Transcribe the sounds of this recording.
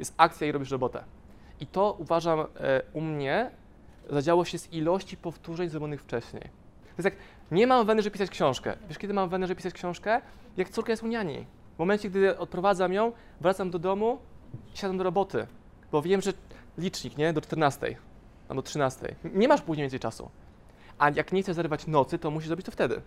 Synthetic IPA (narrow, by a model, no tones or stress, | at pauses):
jɛ̰st̪akt̪sʲjaiɾɔbʲiʂɾɔbɔt̪ɛ̰ | it̪ɔʔuvaʐamumɲɛ | zad͡ʑawɔɕɛzilɔɕt͡ɕipɔft̪uʐɛɲzɾɔbʲjɔnɘxft͡ʂɛɕɲḛj̪ | jsak | ɲɛmamvɛnɛʐpʲisat͡ɕkɕɔ̃w̃ʂkɛ̰vʲjɛʂkʲɛd̪ɘmamvɛnɛʐɛbpʲisat͡ɕkɕɔ̃w̃ʂkɛ | jakt̪suɾkajɛsuɲaɲḭ | vmɔmɛnt͡ɕɛk̚d̪ʔɔt̪̚pɾɔvad̪zamjɔ̃w̃ | vɾat̪samd̪ɔd̪ɔmuiɕad̪amd̪ɔɾɔbɔt̪ɘ̰ | b̥ɔvʲjɛmʐɛlʲit͡ʂɲikɲɛd̪ɔt͡ʂt̪ɛɾnast̪ɛ̰j | a̰d̪ɔtʂɘnast̪ɛ̰jɲɛmaʂpuʑɲejʲvʲɛ̃nsɛjt͡ʂasṵ | ʔajakɲɛxt̪sɛʐzaɾɘvat͡ɕnɔt̪sɘt̪ɔmuɕ̬iʐzɾɔbit͡ɕt̪ɔft̪ɛd̪ɘ̰